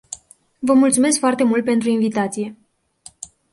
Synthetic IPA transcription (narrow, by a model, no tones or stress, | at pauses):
vəmult̪sume̞skfoart̪e̞mult̪̚pe̞nt̪ɾuinvit̪at̪sije̞